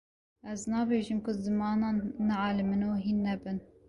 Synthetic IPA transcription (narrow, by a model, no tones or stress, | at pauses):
ɛznɑːbeːʒimkʊzɨmɑːnɑːnːɛʕɑːlɨmɨnoːɦinːɛbɨn